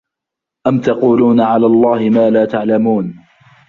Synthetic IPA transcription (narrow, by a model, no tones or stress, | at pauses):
ʔamt̪ɑquːluːnʕalaːlˤːɑːhɪmaːlaːt̪aʕlamuːn